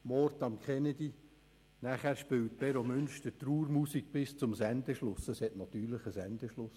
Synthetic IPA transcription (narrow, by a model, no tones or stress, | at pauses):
mɔɾtɑmkχɛnɛdi | næχæɾʃpɪwt̚b̥ɛɾomʏnʃtətruːɾmusiɡ̥̚bɪst͡sʊmsænd̪əʃlʊsəshɛtnɑt̪yːɾləχəsɛnd̪əʃlʊs